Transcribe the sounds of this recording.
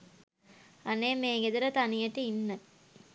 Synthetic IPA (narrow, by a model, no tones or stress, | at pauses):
aneːmeːŋɡed̪əɾət̪anijəʈəinːə